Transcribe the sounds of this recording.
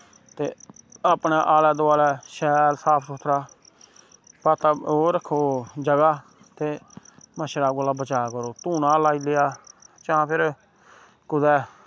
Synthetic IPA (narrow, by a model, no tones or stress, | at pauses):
t̪ḛːəpneːʔaːlɛːd̪oːaːlɛːʃɛːlsaːpʰsʊt̪ʰɾaː | paːt̪aːoːɾəkʰːoːd͡ʒəɡaː | t̪eːməʃɾaːɡolaːbət͡ʃaːakəɾoːt̪uːnãːlaːiːlejaːt͡ʃãːpʰɪɾ | kʊd̪ɛː